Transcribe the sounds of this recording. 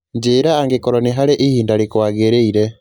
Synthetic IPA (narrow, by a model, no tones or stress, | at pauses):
ɲd͡ʒeːɾaːŋɡekɔɾɔniɦaɾeʔihiːndaɾikwaːɣeɾeiɾɛ